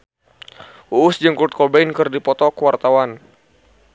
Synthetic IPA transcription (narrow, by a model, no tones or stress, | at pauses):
uʔːsd͡ʒəŋkut̪̚kɔbɛnkɨrdipɔt̪ɔkəwart̪awan